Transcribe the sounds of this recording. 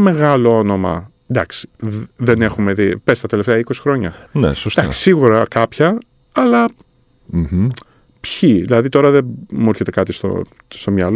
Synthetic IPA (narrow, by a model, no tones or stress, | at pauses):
ɐme̞ɣɐlo̞o̞no̞mɐ̰ | nd̪ɐksi̥ðene̞xumeðipest̪ɐt̪e̞le̞ft̪eɐiko̞si̥xɾo̞ɲɐnḛsosd̪ɐksi̥siɣuɾɐkɐpçɐː | lɐ | pçiðilɐðit̪o̞ɾɐðemuuɾçe̞t̪e̞kɐt̪ist̪o̰ | st̪o̞mɲɐlo